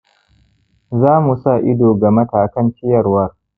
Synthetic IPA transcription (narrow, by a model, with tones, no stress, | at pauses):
zaː˦mu˨sa˦˨ʔɪ˦doː˨ɡa˨mɐ˦taː˨kɐ˦nkʲɪ˦jɐ˨rwɐ˦r